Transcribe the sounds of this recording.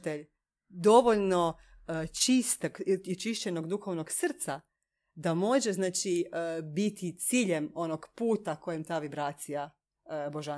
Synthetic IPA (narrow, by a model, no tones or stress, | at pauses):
t̪eʎ | d̪o̞ʋoʎno̞ | t͡ʃist̪aɡit͡ʃiʃt͡ɕenoɡd̪uxo̞ʋnoɡsr̩t̪sa | d̪amo̞ʒeznaːt͡ʃibit̪ʰit̪siːʎemo̞noɡpuːt̪ako̞jemt̪aːʋibɾaːt̪sija | boʒa